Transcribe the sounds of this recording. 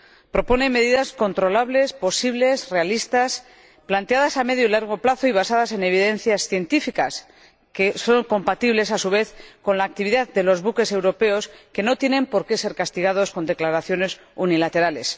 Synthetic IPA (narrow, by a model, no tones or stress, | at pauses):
pɾo̞po̞ne̞me̞ðiðasko̞nt̪ɾo̞laβle̞spo̞siβle̞sre̞alist̪as | plant̪eaðasame̞ðjoilaɾɣ̞o̞plaθo̞iβ̞asaðase̞ne̞β̞iðẽ̞nθjasθje̞nt̪ifikas | ke̞so̞ŋko̞mpat̪iβle̞sasuβ̞e̞θko̞nlaːk̚t̪iβiðaðd̪e̞lo̞zβuke̞se̞wɾo̞pe̞o̞ske̞no̞t̪je̞nẽ̞mpo̞ɾke̞se̞ɾkast̪iɣ̞að̞o̞sko̞nd̪e̞klaɾaθjo̞ne̞s | unilat̪e̞ɾale̞s